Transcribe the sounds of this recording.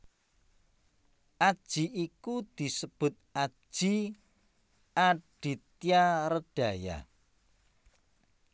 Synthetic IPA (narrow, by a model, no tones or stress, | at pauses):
ʔad̥ʒ̥iikud̪̥isəb̥ʊ̤t̪̚ḁʒ̥i | ʔaɖ̥i̤t̪iaɾəɖ̥a̤ja̰